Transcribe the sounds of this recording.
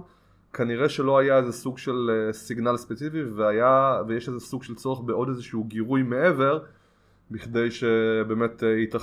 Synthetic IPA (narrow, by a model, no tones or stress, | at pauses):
kʰaniʁeʃelo̞ajaezesuɡʃe̞lsiɡnalspet͡sifiveajavejeʃezesuɡʃelt͡so̞ʁeχbeʔo̞d̪ezeʃuɡiʁujmee̞ve̞ʁ | biχd̪e̞jʃebe̞ːme̞tit̪a